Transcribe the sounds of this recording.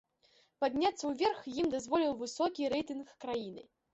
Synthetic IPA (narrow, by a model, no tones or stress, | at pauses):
pad̪ʲnʲat̪sːɐwvʲɛrxjimd̪azvɔlʲiwvɨsɔkʲiɾɛjt̪ɨnxːɾajinɨ̰